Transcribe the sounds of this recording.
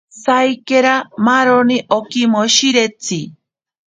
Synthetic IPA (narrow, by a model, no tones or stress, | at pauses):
sajkeɾamaɾoniʔokimoʃiɾet͡si